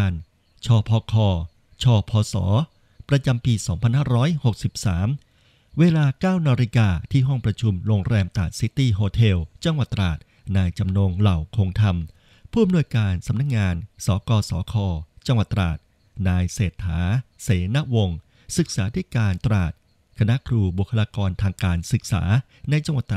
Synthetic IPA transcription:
n | t͡ɕʰɔː˧pʰɔː˧kʰɔː˧ | t͡ɕʰɔː˧pʰɔː˧sɔ̰ː˩˦ | pɾa˧t͡ɕa˧mpiː˧sɔː˩˦ŋpʰa˧nhaː˥˩ɾɔː˦˥jho˨˩k̚si˨˩p̚saː˩˦m | weː˧laː˧kaː˥˩wnaː˧ɾi˧kaː˧t̪ʰiː˥˩ɦɔ˥˩ŋpɾa˧t͡ɕʰu˧mɾoː˧ŋɾɛː˧mt̪aː˨˩t̪̚si˦˥t̪iː˧˩ɦoː˧t̪ʰe˧wt͡ɕa˧ŋwa˨˩t̪ːɾa̰ː˨˩t̪̚ | naː˧jt͡ɕa˧mnoː˧ŋla˨˩wkʰo˧ŋt̪ʰa˧m | pʰuː˥˩ʔa˧mnu˧əjkaː˧nsa˩˦mna˦˥k̚ŋaː˧nsɔː˩˦kɔː˧sɔ̰ː˩˦kʰɔː˧t͡ɕa˧ŋwa˨˩t̪ːɾa̰ː˨˩t̪̚ | naː˧jseː˨˩t̪ʰːa̰ː˩˦seː˩˦na˦˥wo˧ŋ | sɯ˨˩k̚saː˩˦t̪ʰi˦˥˩kaː˧nt̪ɾaː˨˩t̪̚ | kʰa˧na˦˥ʔkʰɾuː˧bu˨˩kʰːa˧laː˧kɔː˧nt̪ʰaː˧ŋkaː˧nsɯ˨˩k̚sa̰ː˩˦ | na˧jt͡ɕa˧ŋwa˨˩t̪ː

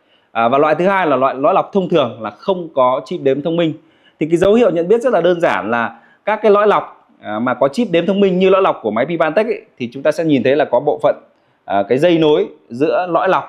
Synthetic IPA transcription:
ʔvaː˨˩lwa̰ː˧˨t̪ɨ˨˦haː˧jlaː˨˩lwa̰ː˧˨jlɔ̰˧˥jla˨˩wk͡p̚t̪ʰə˧wŋ͡mt̪ʰɨ˨˩əŋlaː˨˩xə˧wŋ͡mkɔ˨˦t͡ɕi˦˥p̚ɗe˨˦mt̪ʰə˧wŋ͡mmï˧ŋ̟ | t̪ʰi˨˩kaː˨˦jzə˨˦whḭ˧˨əwɲə̰˧˨nɓi˦˥t̚zə˦˥t̚lːaː˨˩ɗəː˧nzaː˧˩nlaː˨˩ | kaː˦˥kːaː˨˦jlɔ̰˧˥jla˨˩wk͡p̚ː | maː˨˩kɔ˨˦t͡ɕi˦˥p̚ɗe˨˦mt̪ʰə˧wŋ͡mmï˧ŋ̟ɲɨ˧lɔ̰˧˥jla˨˩k͡p̚ku˧˩əma˨˦jpi˧ɓaː˧nt̪i˦˥k̚ʔt̪ʰi˨˩t͡ɕʊ˨˦ŋ͡mt̪aː˧sɛ̰˧˥ɲi˨˩nt̪ʰə˨˦jlaː˨˩kɔ˨˦ɓo̰˧˨fə̰˧˨nː˨˩ | kaː˨˦jzə˧jno˨˦jzɨ̰˧˥əlɔ̰˧˥jla˨˩wk͡p̚

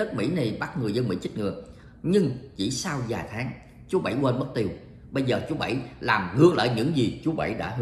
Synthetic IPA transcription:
nə˦˥t̚mḭ˧˥na˨˩jɓa˦˥t̚ŋɨ˨˩əzə˧nmḭ˧˥t͡ɕ̟̚ŋɨ̰˧˩ə | ɲɨ˧ŋt͡ɕḭ˧˩saː˧wzaː˨˩jt̪ʰaː˨˦ŋ | t͡ɕu˨˦əɓə̰˧˩jwəː˧nmə˦˥t̚t̪i˨˩əw | ɓə˧jzəː˨˩t͡ɕu˨˦əɓa̰˧˩jlaː˨˩mŋɨ˧ək̚la̰ː˧˨jɲɨ̰˧˥ŋzi˨˩t͡ɕu˨˦ɓa̰˧˩jɗa̰ː˧˥ɦ

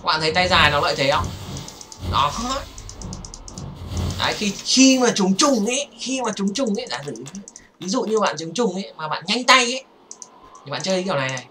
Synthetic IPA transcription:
ɓa̰ː˧˨nt̪ʰə˨˦jt̪a˧jzaː˨˩jnɔ˨˦lə̰ː˧˨jt̪ʰe˨˦ʔə˧˩w | ɗɔ˨˦xj | ka̰ː˨˦jxi˧xi˧maː˨˩t͡ɕʊ˨˦ŋ͡mt͡ɕʊ˨˩ŋ͡mʔe˨˦xi˧maː˨˩t͡ɕʊ˨˦ŋ͡mt͡ɕʊ˨˩ŋ͡mʔe˨˦jɗa̰ː˧˥zɨ̰˧˩ŋ˨˧˦vi˨˦zṵ˧˨ɲɨ˧ɓa̰ː˧˨nt͡ɕʊ˨˦ŋ͡mt͡ɕʊ˨˩ŋ͡mʔe˨˦jmaː˨˩ɓa̰ː˧˨nɲa˧jŋ̟t̪a˧jʔe˨˦ | i˨˩ɓa̰ː˧˨nt͡ɕəː˧i˧˦aː˨˩wna˨˩na˨˩j

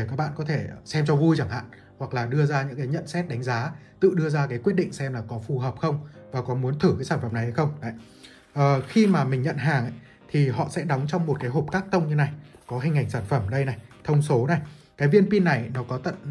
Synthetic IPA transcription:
kaː˦˥k̚ɓa̰ː˧˨ŋkɔ˨˦t̪ʰe˧˩sɛ˧mt͡ɕɔ˧vu˧jt͡ɕa˧˩ŋha̰ː˧˨n | hwa˨˩k̚laː˨˩ɗɨ˧əzaː˧ɲɨ̰˧˥ŋkaː˨˦ɲə̰˧˨nsɛ˦˥t̚ɗa˨˦ŋ̟zaː˨˦t̪ɨ̰˧˨ɗɨ˧əzaː˧kaː˨˦jkwi˦˥ət̚ɗḭ˧˨ŋ̟sɛ˧mlaː˨˩kɔ˨˦fu˨˩həː˨˩p̚xə˧wŋ͡mvaː˨˩kɔ˨˦mu˨˦ənt̪ʰɨ˧˩kaː˨˦jsaː˧˩fə˨˩mna˨˩jha˧jxə˧wŋ͡ma̰ː˧˨j | ʔəː˨˩xi˧maː˨˩mï˨˩ŋ̟ɲə̰˧˨nɦaː˨˩ŋʔa̰˧˨˦ | t̪ʰi˨˩ɦɔ̰˧˨sɛ̰˧˥ɗɔ˨˦wŋ͡mt͡ɕɔ˧wŋ͡mmo˨˩t̚kaː˨˦jɦo˨˩p̚kaː˦˥k̚t̪ə˧wŋ͡mɲɨ˧na˨˩jkɔ˨˦ɦï˧˩ŋ̟ha˨˩ŋ̟saː˧˩nfə˧˩mɗə˧jna˨˩jt̪ʰə˧wŋ͡mso˨˦na˨˩jkaː˨˦jvi˧ənpi˧nːa˨˩jnɔ˨˦kɔ˨˦t̪ə̰˧˨n

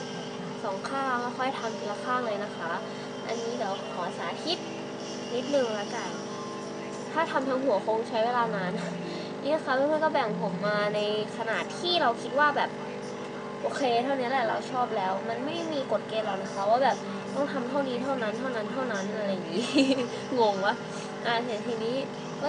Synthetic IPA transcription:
sɔː˩˦ŋkʰaː˥˩˧kɔ˥˩xʰɔ˥˩jt̪ʰa˧mti˧˩la˧kʰaː˥˩ŋlɤː˧jna˦˥kʰa˦˥ | ʔa̰˧nːiː˦˥diː˨˩˦wkʰɔː˨˦saː˨˦t̪ʰi˦˥t̪̚ | ni˦˥t̪̚nɯ˨˩ŋla˦˥ka˧˩ | t̪ʰaː˥˩t̪ʰa˧mt̪ʰaː˧ŋɦu˨˩˦ɐxo˧˥ŋt͡ɕʰa˦˥jweː˧laː˧na˦˥n | niː˦˥na˦˥kʰaː˦˥˧m˧˥˨kɔː˥˩bɛ˨˩ŋpʰo˨˩k̚maː˧na˧jkʰa˧na̰ː˨˩t̪ʰiː˥˩ɾa˧wkʰi˦˥t̪̚waː˥˩bɛː˨˩p̚ | ʔoː˧kʰeː˧t̪ʰa˥˩wni˦˥ɐlɛ˨˩ɾa˧wt͡ɕʰɔː˥˩p̚lɛː˦˥wma˧nma˥˩jda˥˩jmiː˧ko˨˩t̪̚keː˧nla˨˩wna˧˥˩kʰa˦˥waː˥˩bɛː˨˩p̚ | t̪ɔ˥˩ŋt̪ʰa˧mt̪ʰa˥˩wdiː˧t̪ʰa˥˩wna˦˥nt̪ʰa˥˩wna˦˥nt̪ʰa˥˩wna˦˥nʔa˧ɾa˧jŋiː˨˦˥ | ŋo˧ŋla˦˥ | ʔaː˧˩se˨˩˦nt̪ʰiː˧niː˦˥ | kɔ˥˩

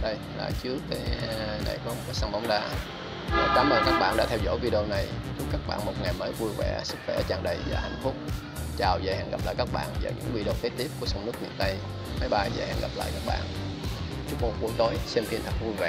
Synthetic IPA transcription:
ɗə˧j | la̰ː˧˨˩t͡ɕɨ˦˥əkːaː˨˦jna̰˨˩jkɔ˨˦mo˨˩kaː˨˦sa˧ŋɓɔ˨˦wŋ͡mɗaː˧ | aː˨˩k̪aː˨˦mə˨˩kaː˦˥k̚ɓa̰ː˧˨nɗa̰ː˧˥t̪ʰɛ˧wzɔ̰˧˥jvi˧ɗo˧na˨˩jt͡ɕu˦˥kaː˦˥k̚ɓa̰ː˧˨nmo˨˩t̚ŋa˨˩jməː˨˦jvu˧jvɛ̰˧˩sɨ˦˥k̚xwɛ̰˧˩t͡ɕaː˨˩nɗə˨˩jvaː˨˩ha̰˧˩jŋ̟fʊ˦˥k͡p̚ | t͡ɕaː˨˩wza˨˩ha̰˧˨nɣa˨˩p̚laː˧˨jkaː˦˥k̚ɓa̰ː˧˨nza̰ː˨˩ɲɨ̰˧˥ŋvi˧ɗo˧k̪e˨˦˥t̪i˦˥əp̚ku˧˩əsə˧wŋ͡mnɨ˦˥ək̚mḭ˧˨ənt̪ə˧j | ma˨˦jɓaː˧za̰ː˨˩jha̰˧˨nɣa˨˩p̚la̰ː˧˨jkaː˦˥k̚ɓa̰ː˧˨n | t͡ɕu˦˥k̚mu˨˩ŋ͡mɓu˨˦t̪o˨˦jsɛ˧mfi˧˩nt̪ʰə˨˩k̚vu˧jvɛ̰˧˨

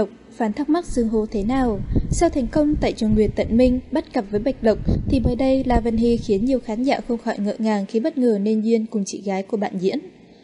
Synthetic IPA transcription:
k͡p̚ | faː˨˦nt̪ʰa˦˥k͡p̚ma˦˥k̚zɨ˨˩əŋɦo˨˧˦t̪ʰe˨˦naː˨˩wsɛ˧wt̪ʰɛ˨˩jŋ̟kə˧wŋ͡mt̪a̰ː˧˨jt͡ɕɔ˧˩ŋwi˨˩ət̚t̪ə̰˧˨nmï˧ŋ̟ɓə˦˥t̚kə˨˩p̚vəː˨˦jɓa˨˩jk̟̚lə˨˩wk͡p̚t̪ʰi˨˩mə̰ː˧˨˩jɗə˧jlaː˨˩və̰˧˨nɦi˧˨˩xi˨˦ənɲi˨˩əwxaː˨˦nza̰ː˧˩xə˧wŋ͡mxɔ̰˧˩jŋə̰ː˧˨ŋaː˨˩ŋxi˨˧˦ɓə˦˥t̚ŋəː˨˩ne˧nzwi˧ənkʊ˨˩ŋ͡mt͡ɕḭ˧˨ɣaː˨˦jku˧˩əɓa̰ː˧˨nzḭ˧˥ən

